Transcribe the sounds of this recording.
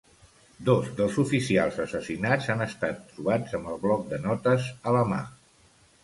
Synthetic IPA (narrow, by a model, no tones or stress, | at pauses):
d̪ɔzd̪əlˠzufisialˠzəsəsinad͡zzanəst̪at̪ːɾuβ̞ad͡zəmbəlˠβlɔk̚d̪ənɔt̪əzələma̰